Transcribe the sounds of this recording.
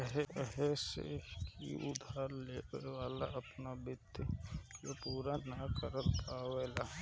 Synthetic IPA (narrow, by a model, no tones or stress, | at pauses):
ɦeɛɦesḛkḭʔʊd̪ʱaːɾleːkəʋaːlaɐpnabɪd̪jopuːɾanakəɾəlpaːʋeːla